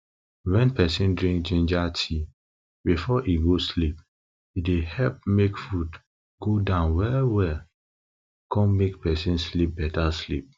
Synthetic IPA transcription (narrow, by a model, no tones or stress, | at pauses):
wɛ̃npʰɛsĩndɹĩŋk̚d͡ʒĩnd͡ʒatʰi | bifɔʔiɡoslip̚ | idehɛlp̚mekfud | ɡodãʊ̃nwɛwɛl | kʰɔ̃nmekpʰɛsĩnslip̚bɛtaslip̚